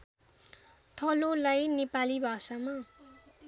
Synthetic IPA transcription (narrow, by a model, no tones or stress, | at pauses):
t̪ʰʌlolajnepalibʱasama